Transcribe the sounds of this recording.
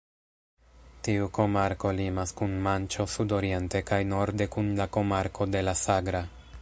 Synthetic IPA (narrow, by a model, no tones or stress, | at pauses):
tiuko̞maɾko̞limaskunmant͡ʃo̞sudo̞ɾie̞nte̞kajno̞ɾde̞kunlako̞maɾkʰo̞de̞lasaɡɾa